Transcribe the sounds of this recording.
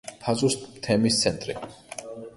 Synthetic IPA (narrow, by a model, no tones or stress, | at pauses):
pʰazʼusmt̪ʰɛmist̪sʰɛnt̪ʼɾḭ